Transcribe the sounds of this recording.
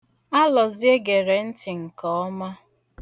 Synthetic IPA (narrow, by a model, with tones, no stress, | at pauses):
a˦lɔ˨zi˦e˦ɡe˨ɾe˨n̩˦tɪ˨ŋ̩˨kɔ˨˦ma˦